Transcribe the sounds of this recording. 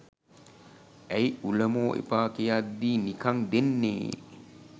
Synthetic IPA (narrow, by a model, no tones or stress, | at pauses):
æjuləmoːʔḛpaːkejad̪ːiːnikaŋd̪enːḛː